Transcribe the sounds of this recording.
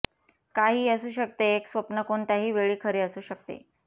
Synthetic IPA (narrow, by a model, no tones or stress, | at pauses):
kaɦiːəsuːɕək̚t̪eːksʋəpnəkoɳt̪aɦiːʋeɭiːkʰəɾeəsuːɕək̚t̪ḛ